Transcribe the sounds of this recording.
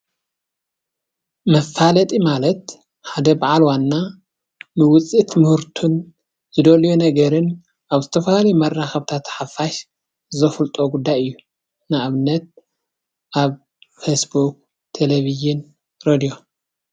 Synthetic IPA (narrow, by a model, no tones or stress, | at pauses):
mɐfːalɐt̪ʼimalɐt̪ | ħad̪ɐbaʕalwanːa | nɨwʊt͡sʼit̪mɨhɨɾt̪ʰun | zɨd̪oljonɐɡɐɾɨn | ʔaβzɨt̪ʰɐfɐhalɐjmɐrːaxɐβt̪ʰat̪ħafaʃ | zɐfɨlt̪ʼo̞ɡud̪ːajɨjːu | nɨʔaβɨnːɐt̪̚ | ʔaβ | fesbuk̚ | t̪ʰeleβiʒɪn | ɾed̪ijo̞